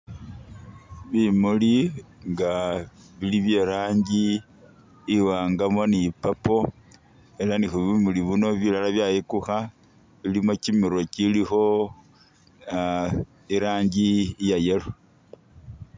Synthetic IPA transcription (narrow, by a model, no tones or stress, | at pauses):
βimuliŋɡaβiliβje̞ːɾaːɲɟiː | waːŋɡamonipapo̞ | e̞lanixuβimuliβuno̞βilalaβjajekuxa | βilimo̞cimiɾo̞cilixo̞ | iɾaːɲɟiːjaje̞lo